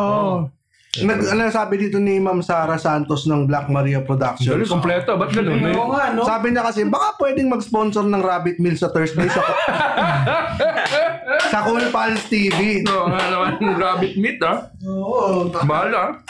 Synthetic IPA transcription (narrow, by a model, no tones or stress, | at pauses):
ʔo | nɐɡɐnasaːbɪd̪iːt̪o̞nɪmamsaːɾɐsant̪osnɐŋblɐk̚mɐɾiːɐpɾod̪ak̚ʃoɐlkomplɛt̪obɐt̪̚ɡɐnonːɐoŋanosaːbɪɲɐkɐsɛbɐkapwɛːd̪ɪŋmɐɡsponsoɾnɐŋɾaːbɪt̪̚milsɐt̪ɛs̚d̪ejsɐ | sɐkʊlpalst̪iːvioŋanɐmanɐŋɾaːbɪt̪̚mit̪̚a | obaala